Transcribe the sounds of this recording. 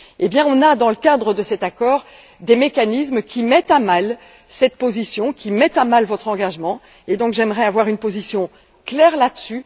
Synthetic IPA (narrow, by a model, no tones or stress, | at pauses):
ebjɛ̃ɔ̃nad̪ɑ̃ləkad̪ʁəd̪əsɛt̪akɔːʁ | d̪emekanismkʲʰimɛt̪amal | sɛt̪̚pozisjɔ̃kʲimɛt̪amalvɔt̪χɑ̃ɡaʒmɑ̃ | ed̪ɔ̃kʒɛmʁɛavwaʁynpozisjɔ̃ | klɛʁlad̪əsy